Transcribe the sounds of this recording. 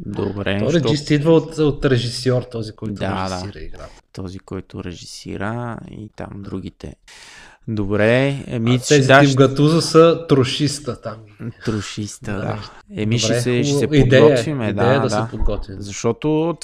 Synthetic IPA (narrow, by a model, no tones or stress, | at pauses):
d̪o̰bɾɛɔɾid͡ʒist̪id̪vəot̪ot̪ɾɛʒisɔɾt̪ɔzikɔjd̪ʊaɾɛʒdisaiɾəḭɡɾa̰tt̪ɔzikɔjt̪ʊɾɛʒisḭɾəḭt̪a̰md̪ɾuɡit̪ɛ̰ | d̪obɾɛɛ̰miɛzid̪aivɡɐt̪uzəsɐt̪ɾoʃist̪ət̪amt̪ɾʊʃist̪əd̪a̰ɛmiʃɾɛsɛʃɛsɛid̪ɛət̪vimɛd̪aɛjəd̪ɐd̪aɛpod̪ɡɔt̪vʲizɐʃt̪ɔt̪o